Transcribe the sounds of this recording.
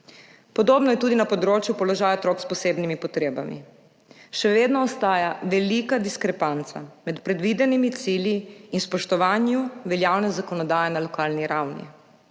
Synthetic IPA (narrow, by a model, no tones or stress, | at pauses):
pɔd̪oːbnɔjɛt̪uːd̪inapɔd̪ɾoːt͡ʃjupɔlɔʒaːjaot̪ɾoːkspɔseːbnimipɔt̪ɾeːba̰mḭ | ʃɛʋeːd̪nɔːst̪aːjaʋɛlikad̪iskɾɛpant̪sa̰mɛt̪pɾɛd̪ʋid̪ɛnimit̪siljiinspɔʃt̪ɔʋaːnjuʋɛljawnɛzakɔnɔd̪aːjɛnalɔkaːlniɾawnḭ